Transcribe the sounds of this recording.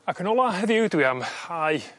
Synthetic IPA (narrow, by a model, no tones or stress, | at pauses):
akʰənɔlˠaɦəðjudwiamhaj